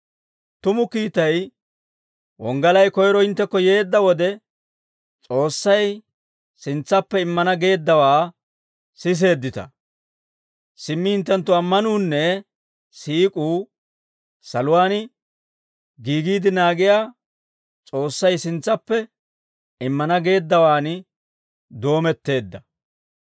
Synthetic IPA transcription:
t̪ʊmʊkiːt̪ɐj | wɔŋɡɐlɐjkɔjɾɔɪnt̪ːɛkːɔje̞ːd̪ːɐwɔd̪ɛ | t͡sʼo̞ːsːɐj | sɪnt͡sːɐpːɛɪmːɐnɐɡe̞ːd̪ːɐwaː | sɪs̬e̞ːd̪ːɪt̪ɐ̰ | sɪmːɪhɪnt̪ːɐnt̪ːʊɐmːɐnuːnːɛ | siːkʼuː | sɐlʊwaːn | ɡiːɡiːd̪ɪnaːɡɪjaː | t͡sʼo̞ːsːɐjsɪnt͡sːɐpːɛ | ɪmːɐnɐɡe̞ːd̪ːɐwaːn | d̪o̞ːmɛt̪ːe̞ːd̪ːɐ

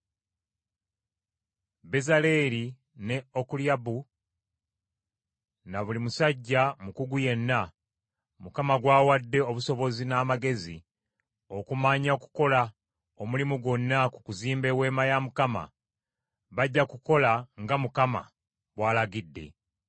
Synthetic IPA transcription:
be̞zale̞ɾi | ne̞okuljabu | naβulimusaɟːamukuɡuje̞nːa | mukamaɡwaːwadːe̞o̞βuso̞βo̞zinaːmaɡe̞zi | o̞kumaɲaku̥ko̞la | o̞mulimuɡonːaku̥kuziːmbe̞we̞ːmajamukama̰ | βaɟːakuko̞laŋɡamukama̰ | βwaːlaɡidːe̞̰

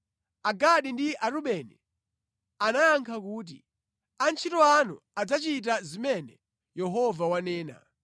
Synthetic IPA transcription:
aɡaɗindiʔaɾuɓɛnɛ | anajaŋkʰakuːt̬ḭ | ant͡ʃʰitɔanṵ | ad͡zat͡ʃit̬azimɛnɛ | jɛɦɔvawanɛːna̰

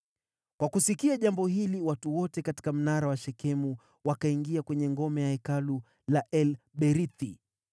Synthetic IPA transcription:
kwakusikiaʄambɔhiliwatuwɔtɛkati̥kam̩naɾawaʃɛkɛmu | wakaiŋɡiakwɛɲɛŋɡɔmɛjaɛkalu | laʔɛlɓɛɾiθi

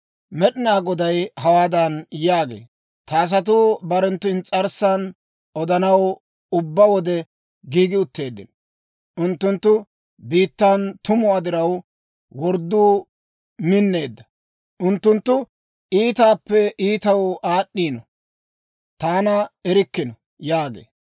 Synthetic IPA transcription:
mɛɗɪnaːɡɔd̪ɐjhɐwaːd̪ɐnjaːɡḛː | t̪aːs̬ɐt̪̬uːbɐɾɛnt̪ːʊɪnt͡sʼɐɾsan | ɔd̪ɐnɐw | ʊbːɐwɔd̪ɛ | ɡiːɡɪʊt̪ːe̞ːd̪ːɪ̰n | ʔʊnt̪ːʊnt̪ːʊ | biːt̪ːant̪ʊmʊwaːd̪ɪɾɐw | wɔɾd̪ːuː | mɪnːe̞ːd̪ːɐ | ʔʊnt̪ːʊnt̪ːʊ | ʔiːt̪aːpːɛʔiːt̪ɐwʔaːɗːiːnɔ | t̪aːnɐɛɾɪkːɪnɔ | jaːɡḛː

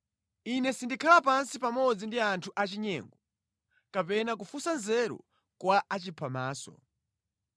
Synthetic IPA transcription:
inɛsindikʰalapansipamɔd͡zindiantʰuʔat͡ʃiɲɛ̰ːŋɡɔ | kapɛnak̬ufusanzɛɾɔ̰ | kwaʔat͡ʃipʰamaːsɔ̰

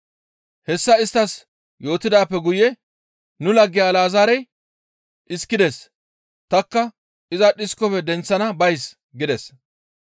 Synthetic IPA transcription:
hɛsːɐɪst̪ːɐs | jo̞ːt̪ɪd̪aːpːɛɡʊjɛ | nʊlɐɡːɪjaːlaːzaːɾɛj | ʔɪskːɪd̪ɛs | t̪ɐkːɐ | ʔɪzɐɗɪskːɔpɛd̪ɛnt͡sːɐnɐbɐjs | ɡɪd̪ɛs

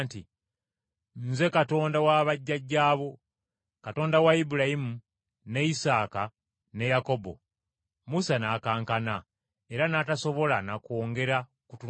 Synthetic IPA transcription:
ntḭ | nze̞kato̞ːndawaβaɟːaɟːaːβo̞ | kato̞ːndawaibuɾajimu | ne̞isaːka | ne̞jako̞bo̞̰ | musanaːkaːŋkana | e̞ɾanataso̞βo̞lanako̞ːŋɡe̞ɾa | kutu

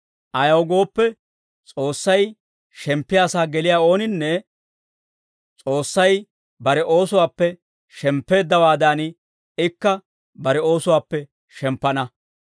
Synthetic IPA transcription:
ʔɐjɐwɡo̞ːpːɛ | t͡sʼo̞ːsːɐj | ʃɛmpːɪjaːsaːɡɛlɪjaːo̞ːnɪnːɛ | t͡sʼo̞ːsːɐj | bɐɾɛʔo̞ːsʊwaːpːɛ | ʃɛmpːe̞ːd̪ːɐwaːd̪aːn | ɪkːɐ | bɐɾɛo̞ːsʊwaːpːɛ | ʃɛmpːɐnɐ

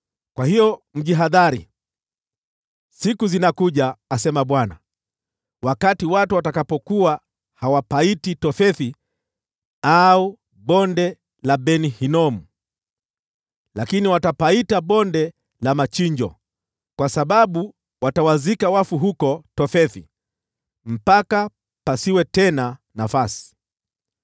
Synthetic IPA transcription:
kwahijɔm̩ʄiɦaðaɾḭ | sikuzinakuʄaːsɛmaɓwana̰ | wakatiwatuwatakapɔkuwa | hawapaititɔfɛθi | au | ɓɔndɛ | laɓɛnihinɔmu | lakiniwatapaitaɓɔndɛ | lamat͡ʃiɲd͡ʒɔ̰ | kwasaɓaɓu | watawazikawafuɦukɔtɔfɛθḭ | m̩paka | pasiwɛtɛna | nafasi̥

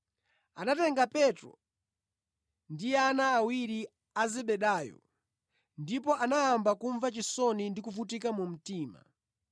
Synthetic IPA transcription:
a̰natɛŋɡapɛtɾɔ̰ | ndianaːwiɾi | azɛɓɛɗaːjɔ̰ | ndip̬ɔanajambakuɱvat͡ʃisɔnindikufut̬ikamum̩tiːma̰

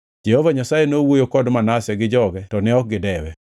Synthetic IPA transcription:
d͡ʒɛhovaɲasajenowojokɔdmanasɛɡɪd͡ʒɔɡɛtɔnɛɔk̚ɡɪdɛwɛ

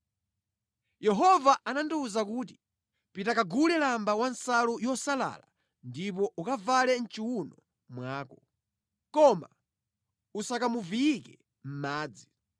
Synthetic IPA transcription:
jɛɦɔvaʔananduuzakuːt̬i̥ | pitakaɡulɛlambawansalujɔsala̰ːla | ndip̬ɔʔukavalɛn̩t͡ʃiwunɔ | mwaːkɔ | kɔma̰ | usakamuvijikɛ | m̩maːd͡zi

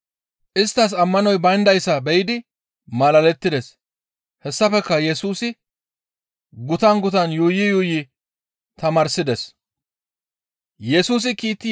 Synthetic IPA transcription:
ʔɪst̪ːɐs̬ɐmːɐnɔjbɐjnd̪ɐjsːɐbɛjɪd̪ɪ | mɐlɐlɛt̪ːɪd̪ɛs | hɛsːɐfɛkːɐjɛsuːsɪ | ɡʊt̪ɐnɡʊt̪ɐnjuːjɪjuːjɪ | t̪ɐmaːɾsɪd̪ɛs | jɛsuːs̬ɪkiːt̪ːɪ

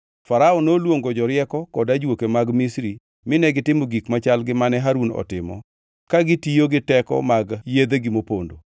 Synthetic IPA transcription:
faɾaɔnolwoŋɡod͡ʒɔɾɪɛkɔkɔdad͡ʒwokemaɡmisɾi | mɪnɛɡɪtɪmoɡikmat͡ʃalɡɪmanɛɦaɾunɔ̰tɪmɔ̰ | kaɡɪtijoɡɪtɛkɔ̰maɡjed̪eɡɪmopondo

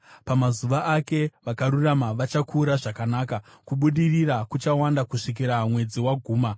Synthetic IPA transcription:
pamazuʋaʔake̞ʋakaɾuramaʋat͡ʃakʰuːɾaʐakanaːkakuɓuɗirirakut͡ʃawandakuʂik̬iɾamwe̞d͡ziwaɡʱuːma

